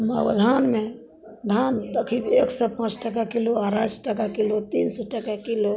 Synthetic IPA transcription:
mə̰wd̪ʱanme | d̪ʱand̪əkʰit̪eksɛpãt͡ʃʈək̬akiloaɾasʈəkakilot̪insɔʈəkakilo

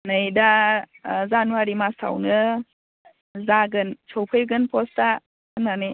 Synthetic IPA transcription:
nɯjda | zanuaɾimastʰa̰wnɯ | zaɡɯnsʰowpʰɯjɡɯnpʰɔsta | ɯnanɯj

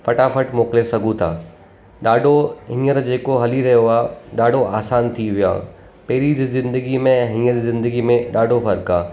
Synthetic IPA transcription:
fɐʈafɐʈmoːklesɐɡʱũt̪ʰa̰ː | ɗaːɖʱoɦĩːəɾd͡ʑeːkoɦɐliɾɐɦjoaːɗaːɖʱoʔaːsaːnt̪ʰiʋija̰ː | pɐɦɪɾizzɪ̃nd̪əɡimẽɦĩːəɾzɪ̃nd̪əɡimẽɗaːɖʱofɐɾkaː

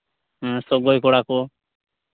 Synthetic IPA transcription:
soɡojkoɽaːkoː

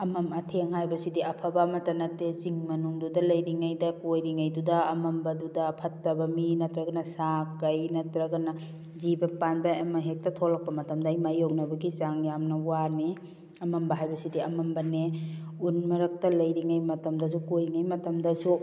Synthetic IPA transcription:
ɐmɐmɐtʰeŋhajbɐsidiɐpʰabamɐtɐnɐteziŋmɐnuŋdudɐlɐjɾiŋajdɐkojɾiŋajdudɐːmɐmbɐdudɐpʰɐtːɐbɐminɐtɾɐɡɐnɐsakːɐjnɐtɾɐɡɐnɐ | zibɐpanbaamɐɦek̚tɐtʰolɐk̚pɐmɐtɐmdɐajmajok̚nɐbɐɡizaŋjamnɐwani | ɐmɐmbɐɦajbɐsidiɐmɐmbɐneunmɐɾɐk̚tɐlɐjɾiŋajmɐtɐmdɐs̬ukojŋajmɐtɐmdɐsu

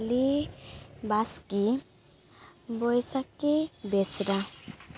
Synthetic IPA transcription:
li | baski | bɔjsakebɛsɾa

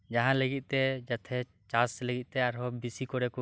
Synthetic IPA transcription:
d͡ʒaɦãləɡit̪̚ˀt̪ɛd͡ʒat̪ʰɛ | t͡ʃasləɡit̪̚t̪ɛaɾɦɔbisikɔɾɛku

